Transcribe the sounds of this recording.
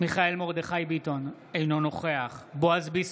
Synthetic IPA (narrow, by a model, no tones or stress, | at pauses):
miχae̞lmo̞ʁd̪eχajbit̪o̞n | ejno̞no̞χe̞aχboazbis